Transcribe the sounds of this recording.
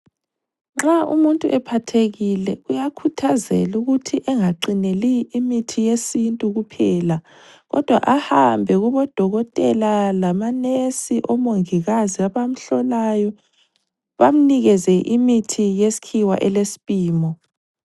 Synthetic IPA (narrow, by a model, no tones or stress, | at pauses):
ŋ͡ǁaṵmuntʼuʔɛpʰatʰeɣilɛujakʰutʰazɛ̰luɣutʰiʔɛŋaǃineliimitʰijesintʼuɣupʰɛːla | ɣɔ̰d̥ʱwa̰ʔahambʱɛɣuβɔd̥ʱɔɣɔtʼɛlalamanesiʔɔmoŋiɣaziaβam̩ɬɔlajɔ | βam̩niɣɛzɛʔimitʰijesi̥kʰiwa̰ʔɛlesi̥pʼiːmɔ